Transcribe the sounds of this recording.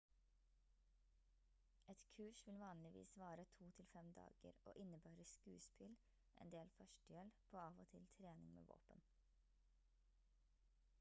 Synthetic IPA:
ɛt̪kʰʉːʃʋɪlʋɑːnlɪʋḭːsʋɑːɾət̪ʰuːt̪ʰɪlfɛmd̪ɑ̰ːɡ̥ə̰ɾo̰ːʔɪnəbɑːɾəskʉːspɪl | ʔɛ̰ːnd̪eːlfœʃʈjɛlpʰoːɑːʋot̪ʰɪlt̪ʰɾeːnɪŋmḛːʋo̰ːpən

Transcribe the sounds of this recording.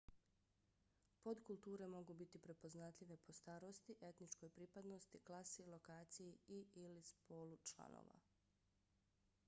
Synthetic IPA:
po̞d̪kulˠt̪uːɾe̞mo̞ɡubit̪ipɾe̞po̞znat̪ʎʲiʋe̞pʰo̞st̪aːɾo̞st̪iʔe̞t̪nit͡ʃko̞jpɾiːpad̪no̞st̪iklˠasilˠo̞kaːt̪sijiiilispo̞ːlut͡ʃlˠa̰no̰ːʋa̰

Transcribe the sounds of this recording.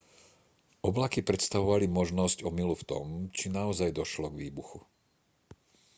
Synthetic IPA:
ɔblakipɾɛt̪st̪aʋɔʋalimɔʒnɔzcɔmiluft̪ɔ̰mt͡ʃinaɔzajd̪ɔʃlɔɡʋiːbuxu

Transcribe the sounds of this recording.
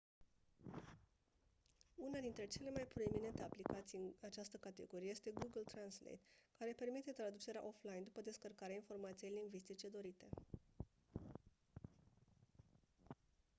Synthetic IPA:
unad̪int̪ɾe̞t͡ʃe̞le̞majpɾo̞emine̞nt̪e̞aplikat̪sijat͡ʃast̪əkat̪e̞̰ɡoɾijest̪e̞ɡuɡəlt̪ɾanslḛt̪kaɾe̞pe̞rmit̪e̞t̪ɾad̪ut͡ʃe̞ɾea̰ʔo̞flajind̪upəd̪e̞skərkaɾeainfo̞rmat̪sijejliŋɡvist̪it͡ʃe̞d̪o̞ɾit̪e̞

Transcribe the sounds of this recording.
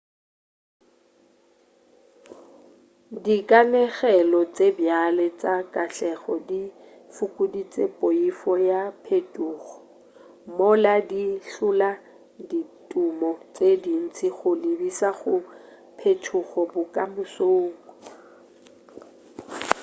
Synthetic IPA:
dikʼanɛɣɛlɔt͡sʼebjalɛt͡sʼakʼaɬɛɣɔdi | fukʼudit͡sʼepʼoifɔjapʰetʼuːɣɔ̥ | moladiɬʊla | ditʼumɔt͡sedin̩t͡sʰʼiɣʊlɪbisaɣʊ | pʰetʰʊɣɔbʊkʼamʊsoːŋkʼɔ

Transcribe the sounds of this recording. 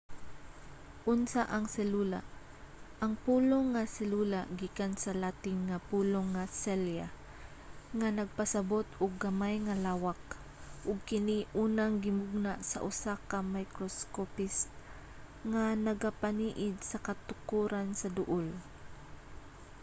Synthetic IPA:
ʔʊnsaʔɐŋsɛluːla̰ | ʔɐŋpuːloŋːasɛluːlaɡiːkansɐlaːt̪ɪŋŋapuːloŋːasɛlja | ŋanɐɡ̚pasɐbot̪ʊɡ̚ːɐmajŋalaːwak̚ | ʔʊɡ̚kɪniʔuːnaŋɡɪmʊɡ̚nasa̰ʔʊsakamajkɾoskopɪst̪ | ŋanɐɡapaniːʔɪd̪̚sɐkat̪ʊkuːɾansɐd̪ʊʔol

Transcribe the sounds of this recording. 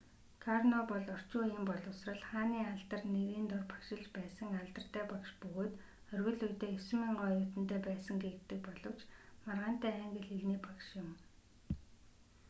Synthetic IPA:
kʰarnɔpɔɮɔr̥t͡ɕʊːjimpɔɮʊsrə̆ɮχaːniːaɮt̪ə̆rneɾiːnt̪ɔrpḁkʃɪ̆ɮt͡ɕpæːsə̆ŋaɮt̪ə̆r̥t̪æːpakʃpɵɣoːt̪ | œrɣɘ̆ɮujt̪eːɵs̆miːŋɢɔjʊːt̪ɘ̆nt̪eːpæːsə̆ŋɡet̪ːɘ̆k̚pɔɮɞ̆wt͡ɕmarʁaːn̥t̪æːæŋɡɘ̆ɮiɣniːpakʃʊ̆m

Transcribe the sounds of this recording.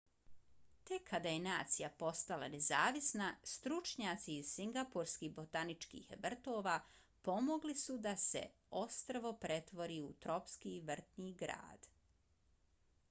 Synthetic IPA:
t̪e̞kʰːad̪ajenaːt̪sijapo̞st̪ala̰ne̞zaːʋisnast̪ɾut͡ʃɲaːt̪siːzsiŋɡapuɾskiːbot̪anit͡ʃkḭːxʋr̩t̪o̞ːʋa | po̞mo̞ɡlisud̪asḛ | o̞st̪ɾaʋo̞pɾe̞t̪ʋo̞ɾiut̪ɾo̞pskiʋr̩t̪niːɡɾa̰ːd̪̥

